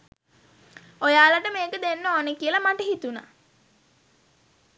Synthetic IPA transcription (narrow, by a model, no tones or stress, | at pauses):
ojaːlaʈəmeːkəd̪enːəoːnəkiəlamaʈəɦit̪una̰